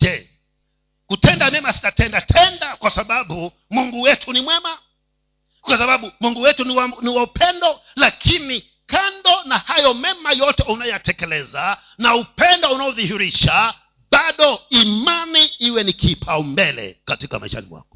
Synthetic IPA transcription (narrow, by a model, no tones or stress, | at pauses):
d͡ʒɛ | kutɛndamɛmasi̥tatɛndatʰɛndakwasaɓaɓu | muŋɡuwɛtʰunimwɛma | kwasaɓaɓumuŋɡuwɛtunwaniwaupʰɛndɔlakʰini | kandɔnahajɔmɛmajɔtɛunajɔjatɛkɛlɛza | naupɛndɔunaɔðihiɾiʃa | ɓaɗɔimaniiwɛnikʰipʰaɔmbɛlɛ̰katikama̰ɛʃa̰nḭwa̰kɔ̥